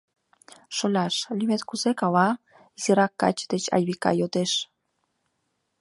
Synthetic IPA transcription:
ʃolʲaʃlimet̪kusekawa | isiɾakːa̰t͡ʃd̪et͡ʃa̰jβika̰jot̪eʃ

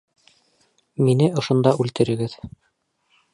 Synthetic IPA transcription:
minɘŏʃŏnd̪ɑʔʉlt̪ɘ̆ɾɘ̆ɡɘð

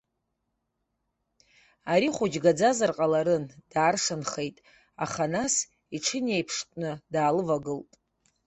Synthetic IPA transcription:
aɾiχʷud͡ʒɡad͡zazarqʼalaɾɨnd̥aːrʂanχe̞jtʼ | aχanas | iʈ͡ʂʰɨnejpʰʂtʼnɨdaːlɨvaɡɨltʼ

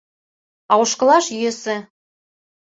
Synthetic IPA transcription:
ɑuʃkɤ̆lɑʃjøsɘ̆

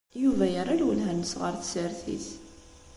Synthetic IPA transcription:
juvæjəɾˤalwəlɦænəsʁəɾθsəɾθḭθ

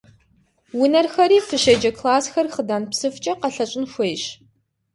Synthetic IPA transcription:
wʊnɐrxɐɾiːfɨɕɐd͡ʒɐkʰlaːsxɐrχədaːnpsɨft͡ʃʼɐqɐɬɐɕʷʼɪnxʷeːɕ

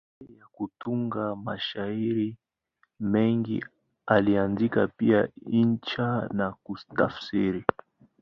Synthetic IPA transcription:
jakutuŋɡamaʃaiɾi | mɛŋɡḭ | alianzikapiaint͡ʃanakuta̰fsiɾi

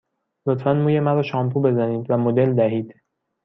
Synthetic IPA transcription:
lo̞t̪fænmuːjemæɾɒːʃɒːmpʰuːbe̞zæniːd̪væmo̞d̪e̞ld̪æɦiːd̪̥

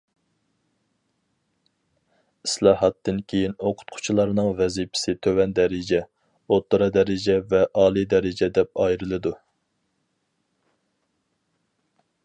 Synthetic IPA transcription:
islˠɑɦɑt̪ːɨnkʲʰejinoqʰʊ̥t̪̚qʰʊ̥t͡ʃʰilˠɑɾnɨŋvɛzipʰɪ̥sɪt̪ʰøwɛnd̪ɛɾɪd͡ʒɛ | ot̪ːuɾɑd̪ɛɾɪd͡ʒɛvɛʔɑːlˠid̪ɛɾɪd͡ʒɛd̪ɛp̚ɑjɾɨlˠɨd̪u

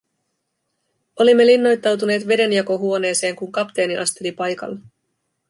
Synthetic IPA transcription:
o̞limːe̞linːo̞jt̪ːɑwt̪̬une̞ːt̪ʋe̞de̞njɑko̞ɦuo̞ne̞ːse̞ːŋkuŋkɑpt̪e̞ːniʔɑst̪e̞lipɑjkɑ̰lːɑ

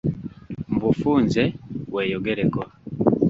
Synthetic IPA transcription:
mbufuːnzeweːjoɡeɾeko

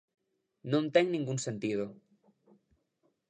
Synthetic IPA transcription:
nõnt̪eŋnĩŋɡuŋsẽnt̪ið̞o

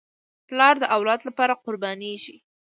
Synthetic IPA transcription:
plɑɾd̪əʔawlɑd̪lapɑɾaqʊɾbɑniʒi

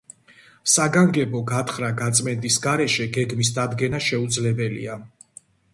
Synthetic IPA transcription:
saɡaŋɡɛbɔɡat̪ʰχɾaɡat̪sʼmɛnt̪ʼisɡaɾɛʃɛɡɛɡmisd̪ad̪ɡɛnaʃɛud̪zlɛbɛlḭa

